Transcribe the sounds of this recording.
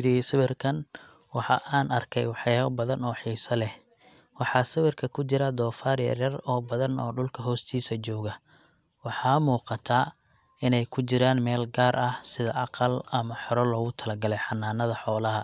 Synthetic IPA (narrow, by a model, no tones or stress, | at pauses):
ɾɪsɐβɪrkʰɐn | wɑħɑʔaːnɐrkʰɛ̰jwɑħjaːɐbɐðɐnɔːħiːsɐlɛh | wɑħɑːsɐβɪrkʰɐkʰʊt͡ʃɪɾɐd̪ɔːfaːɾɪjɐ̰rjɐrɔːbɐðɐnɔ̰ːɖʊlkʰɐɦɔːst̪ʰiːsɐt͡ʃɔːɣɐ | wɑħɑːmuːqɑt̪ʰaː | ɪnɛjkʰʊt͡ʃɪɾaːnmɛːlɡaːɾʔɐhsɪðɐʔɑqɑlɐmɐħɔɾɔlɔːɣʊt̪ʰɐlɐɡɐlɛjħɑnːaːnɐðɐħɔːlɐɦɐ